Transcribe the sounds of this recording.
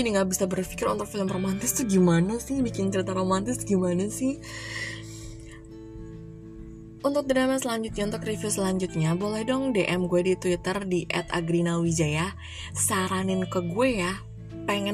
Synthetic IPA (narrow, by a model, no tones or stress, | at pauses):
iniŋɡaʔbisabərfi̥kɪɾunt̪ʊk̚filəmromant̪ɪst̪ʊhɡimanasɪhbikɪnt͡ʃəɾit̪aɾomant̪ɪsɡimanasɪh | unt̪ʊk̚dənamasəlaɲd͡ʒʊt̪̚ɲaunt̪ʊkrifisəlaɲd͡ʒʊt̪̚ɲabolɛhdɔŋdeʔɛmɡuɛdit̪wit̪ərdiʔɛ̰t̪a̰ɡɾinawid͡ʒaja | saɾanɪnkəɡueja | peŋɛ